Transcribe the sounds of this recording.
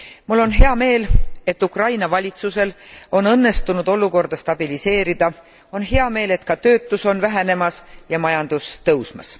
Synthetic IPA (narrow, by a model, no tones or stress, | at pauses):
mulːo̞nɦeɑme̞ːle̞t̪ːˑukrɑjnɑvɑlʲit̪suse̞lo̞nɤnːe̞st̪unud̪̥o̞lːuko̞rd̪̥ɑst̪ɑb̥ilise̞ːɾid̪̥ɑ | o̞nɦe̞ɑme̞ːle̞t̪̚kɑt̪ø̞ːt̪ːˑuso̞nvæɦene̞mɑsjɑmɑjɑnd̪̥ust̪ɤwsmɑ̰s